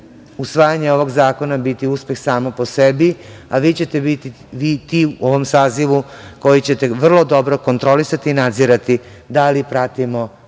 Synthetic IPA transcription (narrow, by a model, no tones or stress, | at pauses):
usʋaːjaɲeo̞ʋo̞ɡzaːko̞nabit̪iuspe̞xsaːmopo̞sebiaʋiːt͡ɕe̞t̪ebit̪i | ʋit̪iuoʋomsaːziʋuko̞jit͡ɕe̞t̪eʋr̩lˠod̪o̞bɾo̞ko̞nt̪ɾo̞lisat̪iːnad̪ziɾat̪i | d̪alipɾat̪imo